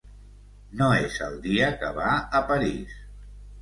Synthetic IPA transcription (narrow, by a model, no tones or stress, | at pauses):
noezə̰lˠd̪iəkə̰βaəpəɾis